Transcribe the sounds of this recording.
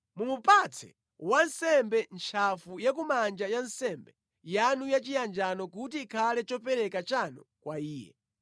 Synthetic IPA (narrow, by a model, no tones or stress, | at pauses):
mumupat͡sʰɛ̰ | wansɛmbɛnt͡ʃʰafujak̬umand͡ʒajansɛmbɛ | janujat͡ʃijand͡ʒanɔkutiːkʰalɛt͡ʃɔpɛɾɛkat͡ʃanɔkwaiːjɛ̰